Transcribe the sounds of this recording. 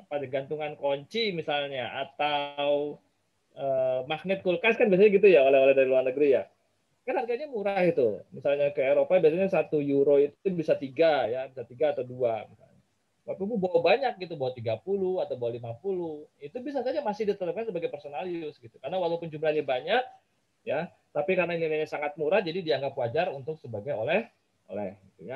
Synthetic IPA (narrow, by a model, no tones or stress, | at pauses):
padaɡant̪uŋankoɲt͡ʃimisalɲaʔa̰t̪aw | ʔəmak̚nɪt̪̚kulkaskanbiasaɲaɡit̪ujaolɛɦolɛhdaɾiluarnəɡəɾija | kanharɡaɲamuɾahit̪umisalɲakəeɾopabiasaɲasat̪ujuɾoit̪u̥t̪ʊbisat̪iɡajabisat̪iɡaːt̪awduamisa̰lɲa | tapimubawabaɲak̚ɡit̪̬ubawat̪iɡapuluhat̪awbawalimapulʊhit̪ubis̬asaɲamasɪhdit̪ət̪əp̚kansəbaɡajpərsonaljʊsɡit̪u̥karnawalapʊnd͡ʒumlahɲabaɲak̚ | ja | t̪apikaɾənaɡaɡaɲasaŋat̪̚muɾahd͡ʒadidiaŋɡapwad͡ʒarunt̪ʊksəbaɡajolɛh | o̰lɛhɡit̪uja